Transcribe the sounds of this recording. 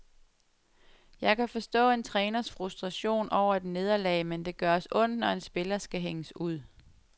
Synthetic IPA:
jɑ̈ɪkʰæfɒ̽sd̥ɔ̰̽ːe̝nt͡sʰʁɛːnɐsfʁusd̥ʁɑ̈ɕo̝̰ːnɒʊ̰ɐed̥ne̝ð̞ˠɐlɛ̰ːɪmend̥e̝ɡ̥ɶɐɒsɔ̽n̰d̥nɒ̽e̝nsb̥e̝lɐsɡ̥æɦeŋəsuð̰ˠ

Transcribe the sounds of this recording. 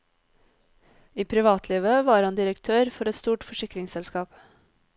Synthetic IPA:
iːpʰɾɪʋɑːt̪ʰliːʋəʋɑːɾhɑnd̪ɪɾəkt̪ʰøːɾfɔɾɛt̪st̪uːʈfɔʃɪkɾɪŋsɛlskɑːp

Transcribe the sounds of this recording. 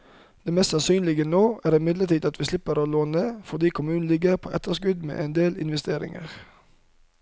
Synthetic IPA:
d̪̥ɛːmɛst̪sɑnsyːnlɪɡənoːʔæːʁɪmɪd̪lət̪ʰiːd̪ɑt̪ʋiːslɪpəʁoːloːnəfɔʁd̪iːkʰʊmʉːnn̩lɪɡəʁpʰo̰ːʔɛt̪əʁskʉd̪mḛːʔend̪eːlɪ̰nʋɛst̪eːʁɪ̰ŋə̰ʁ

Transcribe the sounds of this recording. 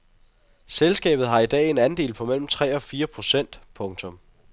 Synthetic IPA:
selsɡ̥ɛ̰ːb̥ð̩ˠɦɑ̈id̥ɛ̰ːe̝næn̩de̝ːlpʰɒ̽mel̰m̩t͡sʰʁɛ̰ːɒ̽fiːɐpʰʁo̝sen̰d̥pʰɔ̽ŋt͡sʰɔ̽m

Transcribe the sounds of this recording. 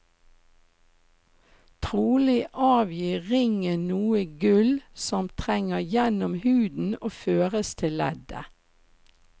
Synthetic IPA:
t̪ʰʁuːlɪʔɑːʋjiːʁɪŋənuːəɡʉlsɔmt̪ʰʁɛŋəjɛnɔmhʉːd̪n̩oːføːʁəst̪ʰɪlɛ̰d̪ə̰

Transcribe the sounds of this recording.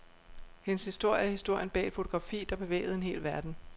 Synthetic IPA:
henəshisd̥o̝ɐ̰jəæhisd̥o̝ɐ̰jənb̥ɛ̰ːd̥fo̝t͡sʰo̝ɡ̥ʁɑ̈fḭːd̥ɑ̈b̥e̝ʋḛːɪð̞̩ˠe̝nɦe̝̰ːlʋæɐd̥n̩

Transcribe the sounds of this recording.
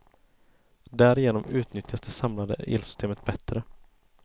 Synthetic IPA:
d̪æːɾɪjeːnɔmʉ̟ːt̪nʏt̪jasd̪ɛsamlad̪ə̰ʔḛːlsʏst̪eːmət̪̚bɛt̪ɾə

